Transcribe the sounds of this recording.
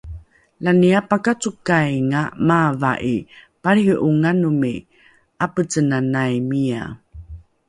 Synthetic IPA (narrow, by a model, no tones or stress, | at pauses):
laniapakat͡sukajŋamava̰ʔi | paɾiʔuŋanumi | ʔapət͡sənanajmia̰